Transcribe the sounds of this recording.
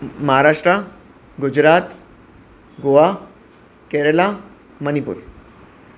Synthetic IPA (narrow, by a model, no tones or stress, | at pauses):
məɦaɾaːʂʈɾa | ɡud͡ʑɾaːt̪ | ɡoa | keɾela | mənipṵɾ